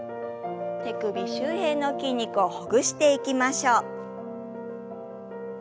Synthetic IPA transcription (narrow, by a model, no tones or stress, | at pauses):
t̪e̞kɯ̟bʲiɕɨːhẽ̞nːo̞kʲiɲ̟ːikɯ̟ohoɡɯ̟ɕi̥t̪e̞ikʲimaɕoː